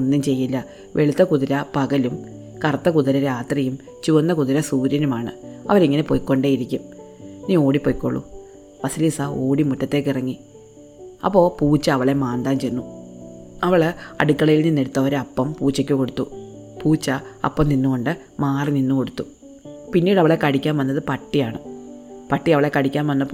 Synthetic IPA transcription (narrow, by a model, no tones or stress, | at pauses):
nːumt͡ɕe̞jːilːɐ | ʋʔe̞ɭut̪ːɐkuðiɾɐpɐɡɐlum | kɐrɐt̪ːɐkuðɐɾɐɾaːt̪rɐjum | t͡ɕuʋɐnːɐkuðiɾɐsuːɾjɐnumaːɳɨ̰ɐ̰ʋɐɾiŋːɐne̞pojkːo̞ɳɖejiɾikʲːum | niːo̞ːɽipːo̞jkːoɭːṵ | ʋɐsiliːsɐo̞ːɽimuʈːɐt̪ːe̞ːk̬ːirɐŋːi | ɐ̰pːo̞ːpuːt͡ɕːɐɐʋɐɭe̞maːnd̪aːmt͡ɕe̞nːu | ɐʋɐɭɐ̰ɽikːɐɭɐjilninːeɽut̪ːɐʋɐɾeɐpːɐmpuːt͡ɕːɐkʲːuko̞ɽut̪ːu | puːt͡ɕːɐɐ̰pːɐmninːuko̞ɳɖɨ | maːrininːuko̞ɽut̪ːu | pinːiːɽɐʋɐɭe̞kɐɽikʲːaːnʋɐnːɐðɨpɐʈːijaːɳɨpɐʈːiɐʋɐɭe̞kɐɽikʲːaːnʋɐnːɐpː